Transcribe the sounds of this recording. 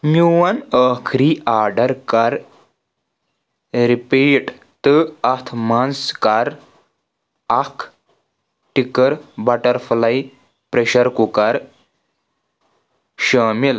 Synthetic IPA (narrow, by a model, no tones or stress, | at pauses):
miʋanəkʰɾiaɾɖəɾkaɾ | ɾipiʈ | t̪əat̪ʰmanskaɾ | akʰ | ʈikəɾbaʈəɾflaj | pɾeɕəɾkukaɾ | ɕəmil